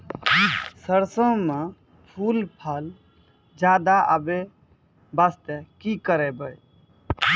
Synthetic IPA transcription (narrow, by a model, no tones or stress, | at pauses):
səɾsə̃me | pʰulpʰəl | d͡ʒaːd̪aʔəbe | bast̪ekikəɾebəj